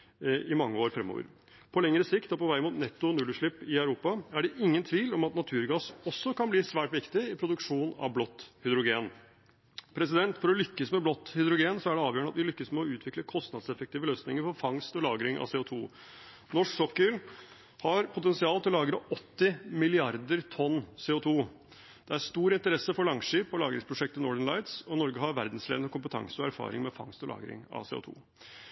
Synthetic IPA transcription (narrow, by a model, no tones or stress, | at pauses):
ɪmɑŋːəoːɾfɾɛmːo̰ːʋə̰ɾ | pʰɔlɛŋɾəsɪkt̪ɔpɔʋæɪmuːt̪nɛt̪ːʊnʉlʉʂɭɪpːɪœʉɾuːpɑæɖɛʔɪŋːənt̪ʰʋiːlɔmɑt̪nɑt̪ʰʉːɾɡɑsɔsːɔkɑnbliːsʋæːʈʋɪkt̪ɪɪpʰɾʊd̪ʉkʂuːnɑ̰ʋblɔt̪ːhʏd̪ɾʊɡeːn | pʰɾɛsɪd̪ɛnt̪fɔɾɔlʏkːəsmɛblɔt̪ːhʏd̪ɾʊɡeːnsɔæɖɛɑːʋjøːɳəɑt̪ʋɪlʏkːəsmɛɔʉːt̪ʰʋɪkləkʰɔst̪nɑd̪sɛfək̚t̪iːʋəløːsnɪŋəɾfɔɾfɑŋst̪ɔlɑːɡɾɪŋʔɑ̰seːʊt̪ʰuː | nɔʂksɔkːəɾ | hɑɾpʰʊt̪ɛnsɪɑːlt̪ʰɪlɔlɑːɡɾɑɔt̪ːɪmɪlɪɑɾd̪əɾt̪ʰɔnːseːʊt̪ʰuː | d̪̥ɛæɾst̪uːɾɪnt̪əɾɛsːəfɔɭɑŋʂiːpːɔlɑːɡɾɪŋspʰɾʊʂɛk̚t̪ənɔɖ̪ənlɑɪt̪sɔnɔɾɡəɦɑɾʋæɾd̪nslḛʋənəkʊmpət̪ʰɑ̰ŋsəɔæɾfɑ̰ːɾɪ̰ŋmɛfɑ̰ŋst̪ɔlɑ̰ːɡɾɪ̰ŋɑ̰sḛːʊ̰t̪ʰṵː